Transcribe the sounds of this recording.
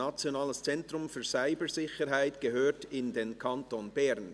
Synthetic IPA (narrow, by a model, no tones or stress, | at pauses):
at͡sjonaːləst͡sɛntr̥ʊmfyːɐzaɪbəzɪçəɾɦaɪtɡ̥əhøːtɪndeːnkʰɑntonbɛɾn